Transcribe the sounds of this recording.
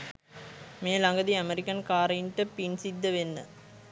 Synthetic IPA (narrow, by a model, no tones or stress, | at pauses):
meːlɐŋɡɐðiɐmɛɾɪkːɐnkaːɾɐɳʈːɐpinsid̪ːɐʋenːɐ̰